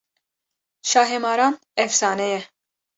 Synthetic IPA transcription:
ʃaːɦemɑːɾaːm | ɛfsɑːnɛjɛ

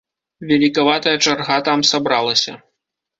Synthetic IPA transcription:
vʲalʲikavat̪ɐjɐt͡ʂarɣat̪amsabɾalˠɐsʲɐ̰

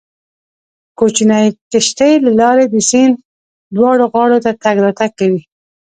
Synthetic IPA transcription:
kot͡ʃinɑjkəʃʈəjlalɑɾed̪əsin | d̪wɑɽoɣɑɽot̪at̪aɡɾɑt̪akːawi

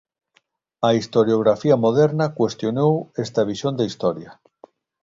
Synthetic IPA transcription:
ɐist̪oɾjoɣɾafiamoð̞eɾnakwest̪jonowest̪aβ̞isjond̪aist̪ɔɾja

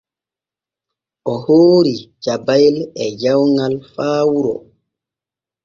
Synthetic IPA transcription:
ʔɔhoːɾid͡ʒabajlɛd͡ʒawŋalfaːwuɾɔ̰

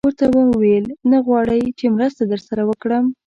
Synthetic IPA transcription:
wəɾt̪abaməwelnaɣwɑɽəjt͡ʃemɾəst̪ad̪əɾsaɾawəkɽəm

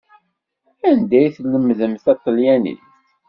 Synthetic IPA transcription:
ænd̪æjθləmːðəmθæt̪ˤːəljænḭst̪

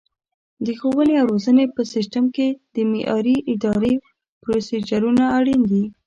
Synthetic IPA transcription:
d̪əxowəleawɾozənepəsɪsʈamked̪̥əmeʔɑ̰ɾiʔɪd̪ɑɾe | pɾosed͡ʒaɾunaːɽind̪i

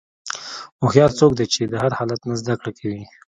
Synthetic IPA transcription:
moxjɑɾt͡sokd̪et͡ʃed̪əɦaɾhɑlat̪nazd̪akɽakʰawi

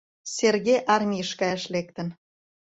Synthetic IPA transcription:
serɣejʔɑrmʲijəʃkɑjʃlek̚t̪ə̆n

